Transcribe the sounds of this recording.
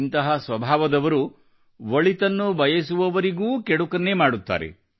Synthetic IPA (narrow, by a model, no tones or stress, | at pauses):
nt̪ɐɦɐsʋɐbʱaːʋɐd̪ɐʋɐɾu | ʋɐɭit̪ɐnːubʱɐjɐsuʋɐʋɐɾiɡuːkeɽukɐnːemaːɽut̪ːa̰ːɾḛ